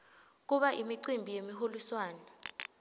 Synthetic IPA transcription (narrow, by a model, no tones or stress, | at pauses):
k̬uɓaʔimiǀimbʱijemiɦoliswaːna